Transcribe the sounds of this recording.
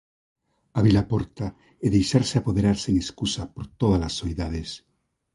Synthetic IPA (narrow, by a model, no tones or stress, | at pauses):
aβilapoɾt̪a | eðejʃaɾseapoðeɾaɾseŋeskusapoɾt̪oð̞alasːoiðað̞es